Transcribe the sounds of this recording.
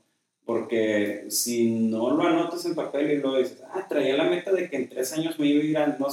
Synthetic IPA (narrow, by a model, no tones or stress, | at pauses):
po̞ɾke̞sino̞lo̞ano̞t̪aselpape̞liloðisesat̪ɾajelame̞t̪aðe̞ke̞ːnt̪ɾe̞saɲo̞zmeiβeiɾano